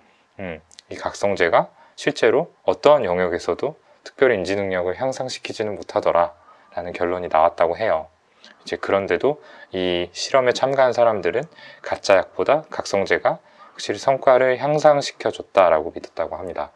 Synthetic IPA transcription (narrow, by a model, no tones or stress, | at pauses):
ɯmikak̚s͈ʌŋd͡ʑe̞ɡa | ɕʰiɭt͡ɕ͈e̞ɾoʌt͈ʌnjʌŋjʌɡe̞sʰʌdo | tʰɯ̥k̚pjʌɾiind͡ʑinɯŋɲʌɡɯɭçjaŋsʰaŋɕʰi̥kʰid͡ʑinɯnmotʰadʌɾa | ɾanɯnkjʌɭːoɲinawat̚t͈aɡoɦe̞jʌ | id͡ʑe̞kɯɾʌnde̞doiɕʰiɾʌme̞t͡ɕʰamɡansʰaɾamdɯɾɯnkat͡ɕ͈ajak̚p͈odakak̚s͈ʌŋd͡ʑe̞ɡa | ɸak̚ɕ͈iɭsʰʌŋk͈waɾɯɭçjaŋsʰaŋɕʰi̥kʰjʌd͡ʑʌt̚t͈aɾaɡomidʰʌt͈̚aɡohamɲida